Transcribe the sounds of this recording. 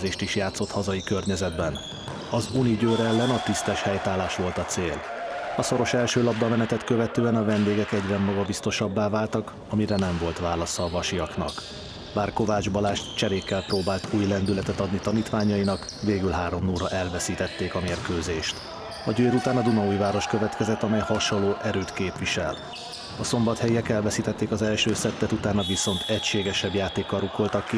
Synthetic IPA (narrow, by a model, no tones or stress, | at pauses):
zeːʃt̪iʃjaːt̪sːo̞t̪hɒzɒjikø̞rɲɛzɛd̪bɛn | ɒzuniɟøːɾɛlːɛnɒt̪ist̪ɛʃhɛjt̪aːlaːʃʋo̞lt̪ɒt̪seːl | ɒso̞ɾo̞ʃɛlʃøːlɒb̚d̪ɒmɛnɛt̪ɛt̪køvɛt̪øːɛnɒvɛnd̪eːɡɛkɛɟrɛmːɒɡɒbist̪o̞ʃɒbːaːvaːlt̪ɒk | ɒmiɾɛnɛɱvo̞lt̪ʋaːlɒsɒːvɒʃijɒknɒ̰k | baːrko̞vaːd͡ʒbɒlaːʃt̪t͡ʃɛɾeːkːɛlproːbaːlt̪uːjlɛnd̪ylɛt̪ɛt̪ɒd̪nit̪ɒniːt̪ʋaːɲɒinɒk | veːɡylɦaːɾo̞mnuːɾɒʔɛlvɛsiːt̪ɛt̪ːeːkɒmeːrkøːzeːʃt̪ | ɒɟøːɾut̪aːnɒd̪unɒujvaːɾo̞ʃkø̞vɛt̪kɛzɛt̪ːɒmɛjhɒʃolːoːʔɛɾøːt̪keːpviʃɛ̰l | ɒso̞mbɒt̪hɛjɛkɛlvɛsiːt̪ɛt̪ːeːkɒzɛlʃøːsɛt̪ːɛt̪ut̪aːnɒviso̞nt̪ʰɛcʃeːɡɛʃɛbjaːt̪eːkːɒɾuko̞lt̪ɒkːi